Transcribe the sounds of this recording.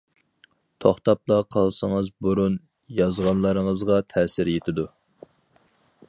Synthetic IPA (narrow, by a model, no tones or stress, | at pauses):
t̪ʰoχt̪ɑp̚lɑqʰɑlˠsəŋɨzbuɾun | jɑzʁɑnlˠɑɾəŋəzʁɑt̪ʰɛːsɪɾjet̪ʰɪd̪u